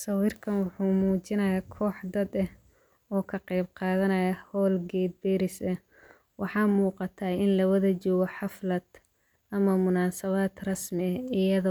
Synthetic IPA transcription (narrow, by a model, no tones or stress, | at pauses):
sɐwiːrkʰɐnwʊħuːmuːt͡ʃɪnɐjaːkʰɔːħd̪ɐd̪ɐh | ɔːkʰɐqɛjb̚qɑːðɐnɐjɐhɔːlɡɛːd̪̚bɛːɾɪsɐ | wʔɑħɑːmuːqɑt̪ʰaɪnlɐwɐðɐt͡ʃɔːɣɔħɑflɐd̪ | ʔɐmɐmʊnaːsɐβad̪rɑsmɪɐɪjɐðɔ